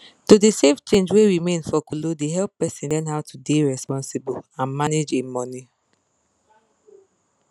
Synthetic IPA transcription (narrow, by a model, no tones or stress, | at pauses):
tudiseft͡ʃẽnd͡ʒweɹimẽnfɔkulodeɦɛlpːɛsĩnlɛ̃nɦaʊtʰudeɹɛspɔ̃nsibuãnmaned͡ʒemɔni